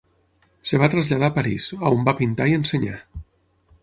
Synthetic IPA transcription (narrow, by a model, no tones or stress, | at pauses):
seβ̞at̪ɾazʎað̞apaɾḭsaombapint̪aienseɲa̰